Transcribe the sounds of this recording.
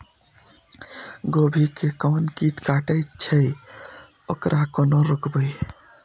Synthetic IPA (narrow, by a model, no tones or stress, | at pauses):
ɡobʱikekɔnkit̪kaʈəjt͡ʃʰəj | okɾʔakonɔɾokbəj